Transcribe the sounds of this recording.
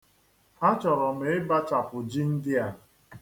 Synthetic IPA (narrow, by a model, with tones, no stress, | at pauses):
ha˦t͡ʃɔ˨ɾɔ˨m̩e˨ɪ˦ba˦t͡ʃa˨pʊ˨d͡ʒi˦n̩˦dɪ˦a˨